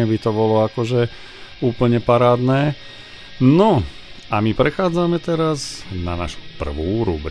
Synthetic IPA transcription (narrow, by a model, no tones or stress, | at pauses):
ɛbit̪ɔbɔlɔakɔʒɛ | uːpl̩ɲɛpaɾaːd̪nɛː | nɔ | amipɾɛxaːd͡zamɛt̪ɛɾazna̰na̰ːʃu̥pr̩ʋuːɾṵbɾ